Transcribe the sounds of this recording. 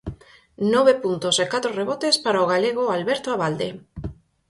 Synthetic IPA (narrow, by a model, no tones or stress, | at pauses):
nɔβ̞epunt̪osekat̪ɾoreβ̞ot̪espaɾaoɣ̞aleɣ̞oalβeɾt̪oaβald̪e